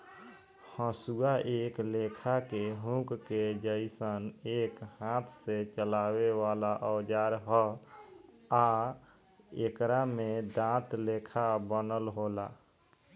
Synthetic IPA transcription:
hə̃suaʔeklekʰakeɦũkked͡ʒəɪsənekhãt̪ʰset͡ʃəlaweʋalaʔəwd͡ʒaɾɦɔ | a | ekɾamed̪ãt̪lekʰabənəlɦola

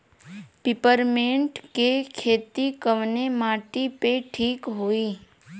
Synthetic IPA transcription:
pipəɾmẽɳʈkekʰeːt̪ikəʋnemaʈipeʈʰiːkɦoi

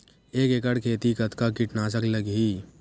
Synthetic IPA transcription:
eːkekəɽkʰeːt̪ikət̪kakiʈnaːsəkləɡɦi

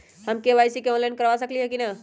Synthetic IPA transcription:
həmkeʋajsikeɔ̃nlajnkəɾʋas̬əkliɦɛkina

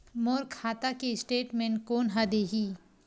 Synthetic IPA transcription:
moːɾkʰaːt̪akesʈeːʈmẽnkoːnɦad̪eɦiː

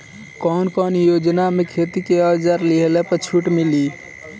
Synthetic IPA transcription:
kɔnkɔnjod͡ʒnamekʰet̪ikeəd͡ʒəɾliɦelepət͡ʃʰuʈmili

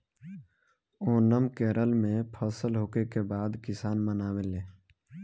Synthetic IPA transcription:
oːnəmkeːɾəlmẽpʰəsəlɦoːkekebaːd̪kɪsaːnmənaːweleː

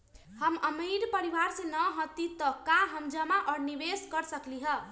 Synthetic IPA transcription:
hʌmʌmeɾpəɾiwaɾsenʌɦʌ̃t̪it̪ʌkãɦʌmd͡ʒʌmaʔʌɾnibeskʌɾsʌkliɦʌ

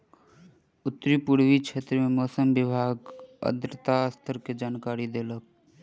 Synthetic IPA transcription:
ʊt̪ːɾipuɽʋikʃʰeːt̪ɾəmẽmɔːsəmʋɪbʱaːɡə̰d̪ɾət̪ast̪ʰəɾked͡ʒaːnkaːɾid̪eːlək̚

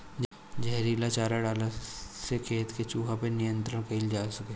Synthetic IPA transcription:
d͡ʒ | d͡ʒɛɦɾiːlat͡ʃaːɾaɖaːlasekʰeːt̪ket͡ʃuːɦapenɪjə̃nt̪ɾəɽ̃keld͡ʒaːsɐke

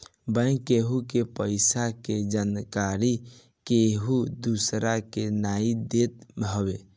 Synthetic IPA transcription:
bə̃j̃keɦukepəɪsaked͡ʒankaɾi | keɦud̪usɾakenaid̪et̪əbe

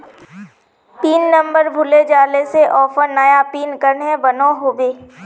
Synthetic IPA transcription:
piːnːɐ̃mbəɾbʱʊled͡ʒaːleseʔɔːfəɾnɐjapiːnkəɾnɦɛ̃bɐnõːɦoːʋeː

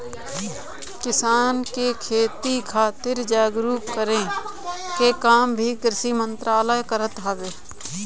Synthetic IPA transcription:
kɪsaːnkekʰeːt̪ikʰaːt̪ɪɾd͡ʒaːɡɾuːpkəɾẽkekaːmbʱikɾɪsimə̃nt̪ɾaːləjkəɾət̪ɦaːʋeː

